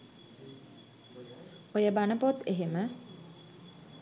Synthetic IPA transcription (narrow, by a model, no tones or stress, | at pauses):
ojəbanəpot̪eɦemə